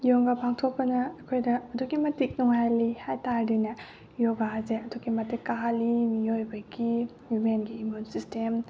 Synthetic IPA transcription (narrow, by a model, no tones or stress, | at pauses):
joŋɡapʰaŋtʰok̚pɐnɐːkʰojdɐːduɡimɐtik̚nuŋɦajlihajtaɾdinɐ | joɡazeɐduɡimɐtikalimijojbɐɡi | jumenɡiːmunsistʰem